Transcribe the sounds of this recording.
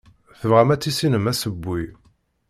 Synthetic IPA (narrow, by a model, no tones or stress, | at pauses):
θəvʁæmæt͡sːisinəmæsəbːi